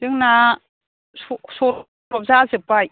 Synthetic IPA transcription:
zɯŋna | sɔsɔ | ɾɔp̚zazɯpaj

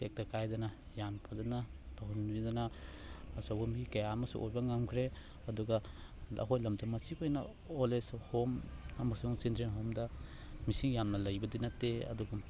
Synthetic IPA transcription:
ek̚tɐkajdɐnɐ | janpʰadɐnatʰahunbidɐnɐː | sawbumɡikɐjaɐmɐsṵʔo̰ɾbɐŋamkʰɾe | ɐduɡɐɐ̰ɦojlɐmtɐmɐsikojnɐ | oleshomɐmɐsuŋsintɾenɦomdɐ | misiŋjamnɐlɐjbɐdinɐteɐ̰duɡa

